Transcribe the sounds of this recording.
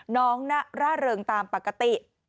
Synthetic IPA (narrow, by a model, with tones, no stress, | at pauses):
nɔː˦˥ŋna˦˥ʔɾaː˥˩ɾɤː˧ŋt̪aː˧mpa˨˩kːa˧t̪i˨˩ʔ